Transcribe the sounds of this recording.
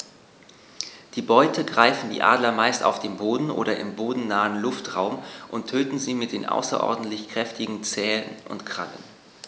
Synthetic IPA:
d̥iːbɔʏtʰəɡʁaɪfn̩dḭːʔa̰ːdlɐmaɪsta̰ʊfd̥eːmboːdn̩ʔo̰ːɾɐʔɪmboːdn̩naːənlʊftʁaʊmʔʊntʰːøːtn̩ziːmɪt̚d̥eːnʔa̰ʊsɐ̰ʔɔ̰ɐdn̩tlɪçkʁ̥ɛftɪɡŋ̩t͡sɛːlənʔʊ̰ntkʁ̥alə̰n

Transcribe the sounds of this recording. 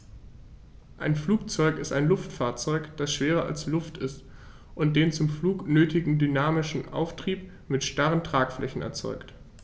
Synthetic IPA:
ʔaɪnfluːk̚t͡sɔʏkɪstaɪnlʊftfaːɐt͡sɔʏkd̥asʃv̥eːʁɐʔa̰lslʊftɪst | ʔʊnt̚d̥eːnt͡sʊmfluːknøːtʰɪɡŋ̩dynaːmɪʃn̩ʔa̰ʊftʁ̥iːp | mɪtʃtaʁəntʁ̥aːkflʔɛçn̩ɛ̰ɐt͡sɔ̰ʏkt

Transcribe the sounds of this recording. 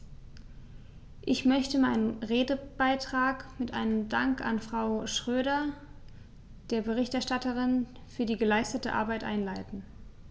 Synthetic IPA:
ʔɪçmœçtəmaɪnənʁeːdəb̥aɪtʁ̥aːkmɪtʔa̰ɪnəmdaŋka̰nfʁ̥aʊʃʁ̥øːɾɐ | d̥eːɐbəʁɪçtɛɐʃtatəʁɪnfyːɐdiːɡəlaɪstətəʔa̰ɐbaɪtʔa̰ɪnlaɪtn̩

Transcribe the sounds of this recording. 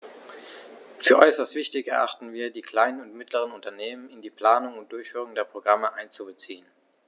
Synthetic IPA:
fyːɐʔɔʏsɐstv̥ɪçtɪçɛɐʔa̰χtn̩viːɐdiːkl̥aɪnənʊntmɪtʰləʁ̞ənʊntɐneːmənɪndiːpʰl̥aːnʊŋʊnt̚d̥ʊɐçfyːʁʊŋdeːɐpʁ̥oɡʁaməʔaɪnt͡subət͡siːən

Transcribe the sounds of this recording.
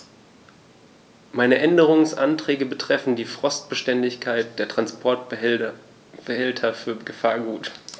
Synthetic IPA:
maɪnəʔɛndəʁ̞ʊŋsʔa̰ntʁ̥ɛːɡəbətʁ̥ɛfn̩diːfʁ̥ɔst̚b̥əʃtɛndɪçkʰaɪt̚d̥eːɐtʁ̥anspʰɔɐt | b̥əhɛltʰɐfyːɐɡəfaːɐɡuːt

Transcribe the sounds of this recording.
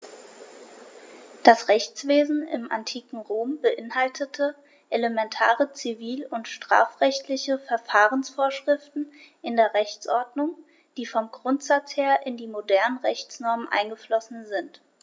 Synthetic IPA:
d̥asʁɛçt͡sv̥eːzn̩ɪ̰mʔa̰ntʰiːkŋ̩ʁoːmbəʔɪnhaltʰətʰə | ʔeləmɛntʰaːʁət͡siviːlʊntʃtʁ̥a̰ːfʁ̥ɛçtʰlɪçəfɛɐfaːʁənsfoːɐʃʁ̥ɪftn̩ʔɪndeːɐʁɛçt͡sʔɔɐdnʊŋ | d̥iːfɔmɡʁʊntz̥at͡sheːɐʔɪndiːmodɛɐnənʁɛçt͡snɔɐmənʔa̰ɪnɡəflɔsn̩zɪnt

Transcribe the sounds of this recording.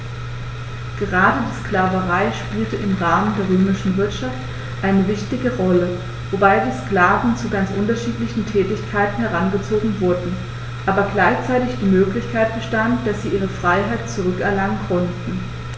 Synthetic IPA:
ɡ̥əʁaːdədiːskl̥aːvəʁaɪʃpiːltəʔɪmʁaːməndeːɐʁøːmɪʃn̩vɪɐtʃaft | ʔaɪnəvɪçtɪɡəʁɔlə | vobaɪdiːsklaːvn̩t͡suɡant͡sʔʊntɐʃiːtlɪçn̩tʰɛːtɪçkʰaɪtn̩hɛʁ̞anɡət͡soːɡŋ̩vʊɐdn̩ | ʔaːbɐɡlaɪçt͡saɪtɪçd̥iːmøːklɪçkʰaɪt̚b̥əʃtantd̥asz̥iːʔiːʁəfʁ̥aɪɦaɪt̚t͡suʁ̞ʏkʔɛɐlaŋənkʰɔntn̩

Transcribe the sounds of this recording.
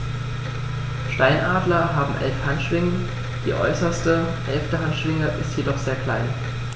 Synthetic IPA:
ʃtaɪnʔaːdlɐɦaːbm̩ʔɛ̰lfhantʃv̥ɪŋə | d̥ḭːʔɔ̰ʏsɐstə | hɛlftəɦantʃv̥ɪŋəʔɪstjedɔχz̥eːɐkl̥aɪn

